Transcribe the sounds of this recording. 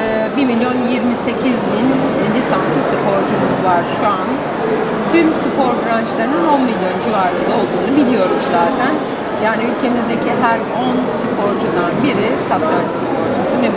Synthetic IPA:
bimilʲjo̞njiɾmise̞cʰizbin | lʲisansɯsɯpʰo̞ɾd͡ʒumuzvaɾ̥ʃuan | t̪ʰymsɯpʰo̞ɾbɾant͡ʃlˠaɾɯnino̞nmilʲjo̞nd͡ʒivaɾlˠɯnd̪ao̞lˠd̪uːnubilʲijo̞ɾuzzaːt̪ʰæn | jaːniylʲcʰe̞mizd̪e̞cʰiɦæɾ | onsɨpʰo̞ɾd͡ʒud̪anbiɾɪsat̪ʰːansɯpʰoɾd͡ʒusuneb

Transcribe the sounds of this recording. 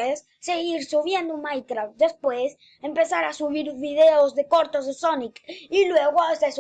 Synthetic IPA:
esːeɣiɾsuβje̞nd̪omajkɾaft̪d̪e̞spwes | empe̞saɾasuβiɾβiðe̞ozðekoɾt̪ozðesonikilwe̞ɣoses

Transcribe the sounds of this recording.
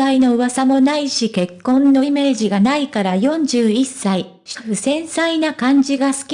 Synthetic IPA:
aino̞ɯ̟βasamo̞naiɕike̞kːõ̞nːo̞ime̞ːʑiɡanaikaɾajõ̞ɲd͡ʑɨːisːai | ɕɸɯ̟sẽ̞ɰ̃sainakãɲ̟d͡ʑiɡasɨ̥kʲ

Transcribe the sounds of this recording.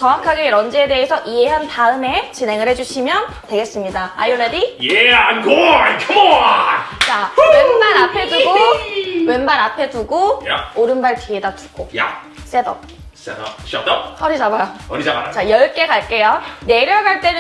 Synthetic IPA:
t͡ɕʌŋwakʰaɡeɾʌnd͡ʑiede̞ːsʰʌʔie̞ɦantaɯme̞t͡ɕine̞ŋɯɭhed͡ʑuɕʰimjʌn | twe̞ɡe̞s͈ɯmɲidaa̰joɾedijeankʰoakʰo | t͡ɕawenbaɾapʰe̞duɡowenbaɾapʰe̞duɡooɾɯnbaɭtɥie̞datʰu̥ɡoj | s͈e̞dʌ | s | ʌɾid͡ʑabajoit͡ɕajʌɭk͈e̞kaɭk͈e̞jone̞ɾjʌɡaɭt͈e̞n

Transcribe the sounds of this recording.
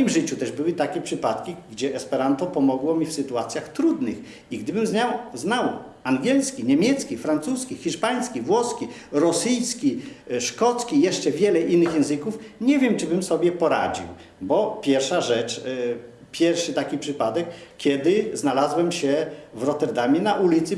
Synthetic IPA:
mɔjimʐɘt͡ɕut̪ɛʐbɘwɘt̪akʲɛpʂɘpat̪kʲiɡd͡ʑɛʔɛspɛɾant̪ɔpɔmɔɡwɔmʲifsɘt̪uat̪sʲjaxt̪ɾud̪nɘx | iɡd̪ɘbɘmzɲawznaw | aŋɡʲɛlskʲiɲɛmʲjɛt̪skʲifɾant̪suskʲixʲiʂpaɲ̃skʲivwɔskʲiɾɔsɘjskʲiʂkɔt̪skʲijɛʂt͡ʂɛvʲjɛlɛʔinːɘxjɛ̃w̃zɘkufɲɛvʲjɛmt͡ʂɘbɘmsɔbʲjɛpɔɾa̰d͡ʑḭw | bɔpʲjɛɾfʂaʐɛt͡ʂ | pʲjɛɾʂɘt̪akʲipʂɘpad̪ɛkːʲjɛd̪ɪznalazwɛmɕɛvɾɔt̪ɛɾd̪amʲjɛnaʔulʲit̪sɘ

